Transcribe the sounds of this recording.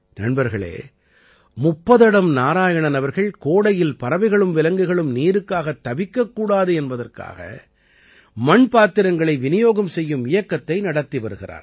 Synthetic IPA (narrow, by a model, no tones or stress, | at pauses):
nɐɳbɐɾɣɐɭḛː | mʊpːɐðɐɽɐmnaːɾaːjɐɳɐnɐʋɐɾɣɐɭkoːɽɐjɪlpɐɾɐʋɐɪɣɐɭɯmʋɪlɐŋɡɯɣɐɭɯmniːɾɯkːaːɣɐt̪ːɐʋɪkːɐkːuːɽaːðɯɛnbɐðɐrka̰ːɣɐ̰ | mɐɳpaːt̪ːɪɾɐŋɡɐɭɐɪʋɪnɪjoːɣɐmsɛjːɯmɪjɐkːɐt̪ːɐɪnɐɽɐt̪ːiʋɐɾɯɣɪra̰ːɾ